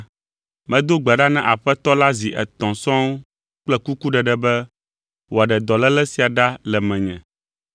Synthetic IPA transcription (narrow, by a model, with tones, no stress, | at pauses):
mɛ̃˦d̪o˦ɡ͡bɛ˨ɖa˦nɛ̃˦ʔa˨ɸɛ˦t̪ɔ˦la˦zi˨ʔɛ̰˨t̪ɔ̃˨sɔ̃˦w | k͡plɛ˦ku˦ku˦ɖɛ˨ɖɛ˦bɛ˦ | wo˨a˨ɖɛ˨d̪ɔ˨lɛ˦lɛ˦si˨a˨ɖa˦lɛ˨mɛ̃˨ɲɛ̰̃˨